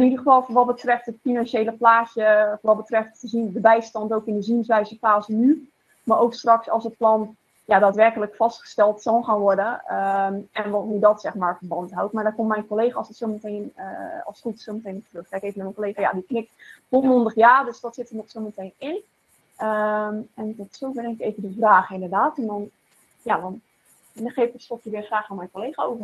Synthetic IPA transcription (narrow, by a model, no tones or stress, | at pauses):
ɪnidəχəfɑlˠfɔnʋɔt̚bətrɛftətfinɑnʃeːləplaːsjəfʋɔt̚bətrɛftəzindəbɛjstɑntowkɪndəzinsʋɛjzəfaːzəny | maɹʔowkstrɑksɔ̰lˠsət̚plɑn | jadaːtʋɛrkələkfɑstχə̥stɛlˠtsɑlˠxaːnʋɔrdənəɛnʋɔtnydɔtsɛxmaːrfərbɑntɦawtmaɹdɔkɔmmɛjnkoleːxaːsətsowmətejnɔ̰lˠsχutsowmətejnptrøxkɛjkejvəmɛmənkoleːχaja̰diknɪk̚tɔmɔndəχjaːrdøsdɔtsɪtənɔχsowmətejnɪn | əmɛndɔtsovɪrɪnɪkeːvədəvraːχɪndərdaːtɛndɔn | jadɔn | ɪndəχeːfɪkəstɔpjəʋɪχraːxanmɛjnkolejχaowvə